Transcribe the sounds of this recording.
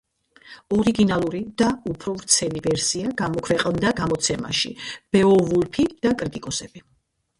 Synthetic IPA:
ɔɾiɡinalˠuɾid̪̥aupʰɾɔvɾt̪sʰɛlivɛɾsiaɡamɔkʰvɛqʼnd̪aɡamɔt̪sʰɛma̰ʃḭb̥ɛɔvulpʰid̪̥akʼɾit̪ʼikʼɔsɛb̥i

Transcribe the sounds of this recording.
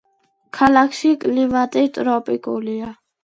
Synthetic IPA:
kʰalaksikʼliʋat̪et̪ʼɾɔːpʼikʼo̰lija

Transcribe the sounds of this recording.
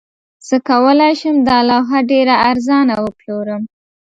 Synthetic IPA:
səkawəlɑjʃəmd̪alɑɦaɖeɾaaɾzɑnawəploɾəm

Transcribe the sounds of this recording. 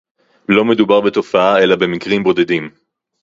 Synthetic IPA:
lo̞me̞d̪ubaʁbet̪o̞faae̞labe̞mikʁimbo̞d̪e̞d̪im

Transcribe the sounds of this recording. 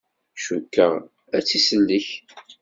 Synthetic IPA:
ʃukːəʁ | æt͡sːisənd̪əç

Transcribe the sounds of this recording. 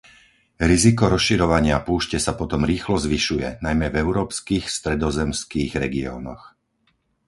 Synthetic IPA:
ɾizikɔɾɔsʃiɾɔʋaɲɪapuːʃcɛsapɔt̪ɔmɾiːxlɔzʋiʃujɛ̰najmɛvɛʊɾɔːpskiːxst̪ɾɛd̪ɔzɛmskiːɣɾɛɡiɔ̰ːnɔ̰x

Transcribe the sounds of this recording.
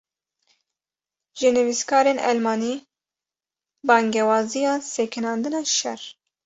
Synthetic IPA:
ʒɨnɨviskɑːɾenʔɛ̰lmɑːni | bɑːŋɡɛwɑːzijɑːsɛkʰɨnɑːnd̪ɨnɑːʃɛ̰r

